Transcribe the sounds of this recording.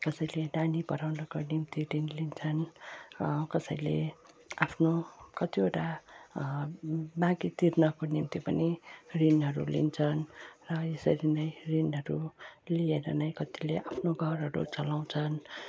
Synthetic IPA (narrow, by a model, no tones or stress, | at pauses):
kʌsʌjlenanipʌɾawnʌkonimt̪irinlint͡sʰʌn | kʌsʌjlḛ | apʰnokʌt̪ioʈa | bãɡit̪irnʌkonimt̪ipʌnirinɦʌɾṵlḭnt͡sʰʌnrʌesʌɾinʌjrinɦʌɾulieɾʌnʌj̃kʌt̪ileʔapʰnoɡʱʌrɦʌɾṵt͡sʌlaw̃t͡sʰʌn